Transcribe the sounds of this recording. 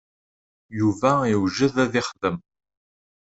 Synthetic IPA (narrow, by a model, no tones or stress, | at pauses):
juvæiwʒəðæðɪχðəm